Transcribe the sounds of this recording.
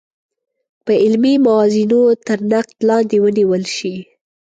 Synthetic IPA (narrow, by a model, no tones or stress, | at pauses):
pəɪlmimawɑzinot̪əɾnaq̚t̪lɑnd̪ewəniwəlʃi